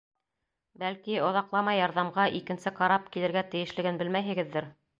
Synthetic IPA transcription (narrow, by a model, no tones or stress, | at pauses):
bælkiŏðɑqlˠɑmɑjːɑɾðɑmʁɑʔikɘ̆nsɘqɑɾɑp̚kilɘ̆ɾɡæt̪ɘ̆jɘ̆ʃlɘ̆ɡɘnbɘlmæjɦɘ̆ɡɘ̆ðːɘɾ